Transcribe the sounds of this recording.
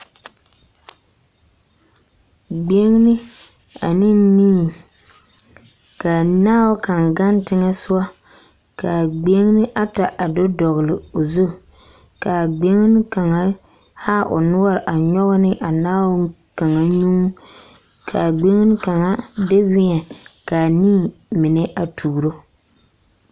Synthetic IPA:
ɡ͡be˦ŋ˦nɪ˦ | a˨nɪ˦ni˦˨ | ka˨naː˦wka˨ŋɡa˦ntɪ˦ŋa˦sʊ˦a˦ | ka˨ɡ͡be˦ŋ˦nɪ˦ʔa˦ta˨ʔa˨dɔ˦dɔ˨ɣlɪ˨o˨zu˦ | ka˨ɡ͡be˦ŋ˦n˦ka˨ŋa˨˦ | ha˦ʔʊ̰˨nʊ˦wa˦ɾʔa˨ɲɔ˦ɣnɪ˦ʔa˨naː˦wʊ˦ | ka˨ŋa˨ɲu˦ | kʰa˨ɡ͡be˦ŋ˦n˦ka˨ŋa˦dɪ˦wɪ˦ɛ˨ka˨niː˦˨mɪ˨nɛ˦ʔa˨tʰuː˨ɾo˦

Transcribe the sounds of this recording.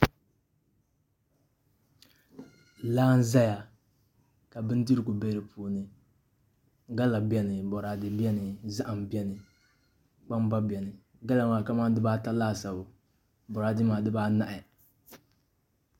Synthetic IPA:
laː˦n̩˦za˦ja˨ | ka˨bɨ˦n˦di˦ɾɡʊ˨bɛ˦ɾɨ˨pʰuː˨nɨ˨ | ɡa˦la˨bɛ˦nɨ˨bɔ˨ɾa˨dɪ˨bɛ˦nɨ˨za˦ʔa˨m˨bɛ˦nɨ˨ | k͡pa˦mba˦bɛ˨nɨ˨ | ɡa˦la˨maː˨ka˦ma˦n˦dɨ˦baː˦ta˦laː˦˨sa˨bʊ˨ | bɔ˨ɾa˨dɪ˦maː˨dɨ˦baː˦na˦ʔɪ˨

